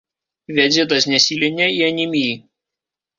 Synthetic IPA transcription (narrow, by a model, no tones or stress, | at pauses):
ʋʲɛd̪zʲɪt̪̬ɐsnʲɛsʲiːlʲɪnʲɛiɐnʲɪmʲij